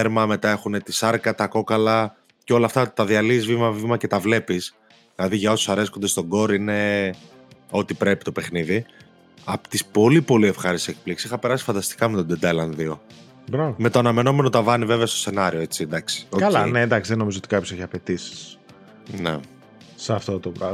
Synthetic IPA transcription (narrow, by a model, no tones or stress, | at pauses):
eɾmɐme̞t̪ɐe̞xune̞t̪isɐɾkɐt̪ɐko̞kɐlɐ | ceo̞lɐːft̪ɐt̪ɐðiɐliːzvimɐvimɐce̞t̪ɐvle̞pis | ðilɐðiʝɐo̞susɐɾeskond̪e̞st̪o̞ɡo̞ɾine̞ | ot̪ipɾe̞pi̥t̪o̞pexniði | ɐpt̪ispo̞lipo̞lie̞fxɐɾisiek̚pliksisixɐpe̞ɾɐsi̥fɐnd̪ɐst̪i̥kɐmet̪od̪ed̪elɐnðio̞ | bɾɐvɐme̞t̪oɐnɐme̞no̞me̞no̞t̪ɐvɐnive̞veɐst̪o̞se̞nɐɾioe̞t͡sind̪ɐksi̥okɐlɐinend̪ɐksiðeno̞mizoot̪ikɐpço̞seçɐpe̞t̪isi̥s | nḛ | sɐft̪ot̪obɾɐ